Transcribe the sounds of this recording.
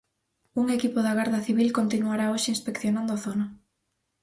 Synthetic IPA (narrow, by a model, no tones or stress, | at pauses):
uŋekipoðaɣaɾðɐθiβilkont̪inuaɾaoʃɪinspekθjonãnd̪oaθonɐ